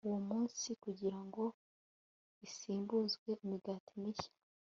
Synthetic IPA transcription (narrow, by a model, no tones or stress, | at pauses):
uwomuːnsikuɟiɾaŋɡo̞ | isiːmbuzɡwe̞imiɡaːtimiçḁ